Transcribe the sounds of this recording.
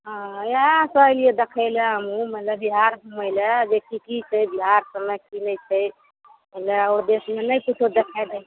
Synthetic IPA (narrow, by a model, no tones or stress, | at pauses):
ɦə̃jasəəlied̪ekʰəɪleɦəmũmət̪ləbːiɦaɾbʱuməɪlebekikit͡ʃʰɛjbiɦaɾsəmɛkinəjt͡ʃʰɛj | məleod̪esmenəjkut̪ʰod̪ekʰɛd̪ɛ